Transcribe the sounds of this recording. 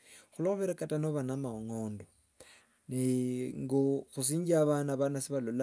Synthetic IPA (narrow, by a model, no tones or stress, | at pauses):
xuloxuβeɾekatanoβanamaoŋoːndo | niŋɡoxus̬iːɲɟiaβanaβanasiβalola